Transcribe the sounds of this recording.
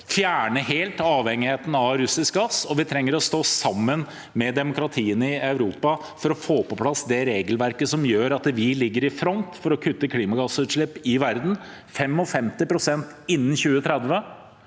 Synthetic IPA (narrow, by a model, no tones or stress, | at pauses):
fjæːɳəɦeːlt̪ɑːʋhɛŋːɪheːt̪n̩ɑɾʉsɪsk̚ɡɑsɔʋɪt̪ʰɾɛŋːəɾɔst̪oːsɑmːən | mɛd̪ɛmʊkɾɑt̪ʰiːənəɪɑʉɾuːpɑ | fɔɾɔfoːpɔpʰlɑsd̪ɛɾeːɡəlʋæɾkəsɔmjøːɾɑt̪ʋɪlɪɡːəɾɪfɾɔnt̪fɔɾɔkʰʉt̪ːəkʰliːmɑɡɑsʉːt̪ʂɭɪpːɪʋæɾd̪n̩ | fɛmɔfɛmt̪ɪpʰɾʊsɛnt̪ɪnːn̩çʉːət̪ʰɾɛd̪ʋə